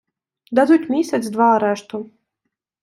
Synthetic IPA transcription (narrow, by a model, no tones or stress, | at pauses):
d̪azut̪ʲmʲiːsʲɛt̪sd̪vaːɾæʃt̪u